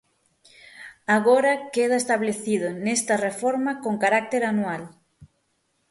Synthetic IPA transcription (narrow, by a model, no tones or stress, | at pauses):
aɣoɾɐkeð̞aest̪aβleθiðʊnest̪ɐrefoɾmakoŋkaɾak̚t̪eɾanwal